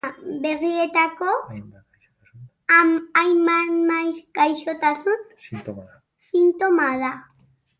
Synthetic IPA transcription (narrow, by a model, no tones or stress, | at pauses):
beɾiet̪ako | amajmanmajkajʃot̪asʊn | sɪnt̪omaða